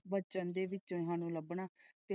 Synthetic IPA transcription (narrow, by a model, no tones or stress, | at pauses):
bət͡ʃənd̪eːʋɪt͡ʃõːɦãːnũːləbɳaːt̪e